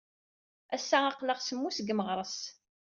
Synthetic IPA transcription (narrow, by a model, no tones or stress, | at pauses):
æsːaɑqləʁsəmːusɡməʁɾˤəs